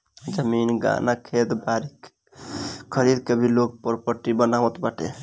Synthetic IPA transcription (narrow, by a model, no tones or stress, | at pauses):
d͡ʒəminɡa̰nakʰet̪baɾik | kʰəɾid̪kəbʱilok̚pəɾpəɾʈibənaʋət̪baʈḛ